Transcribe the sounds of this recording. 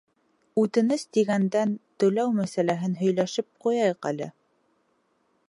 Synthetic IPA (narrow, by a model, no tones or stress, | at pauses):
ʉt̪ɘ̆nɘst̪iɡænd̪ænt̪ɵ̆læwmæsælæɦɘnɦɵ̆jlæʃɘp̚qujɑjɤqæ̰lɘ̰